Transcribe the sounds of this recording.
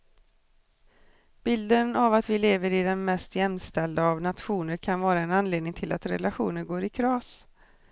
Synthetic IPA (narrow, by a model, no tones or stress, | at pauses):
b̥ɪld̪ənavat̪vɪleːvəɾɪd̪ɛnmɛst̪jɛmst̪ɛld̪aavnat̪ɧuːnəɾkʰanvɑːɾaɛnanleːd̪nɪŋt̪ʰɪlat̪ɾɛ̰laɧṵːnəɾɡoːɾɪkʰɾɑːs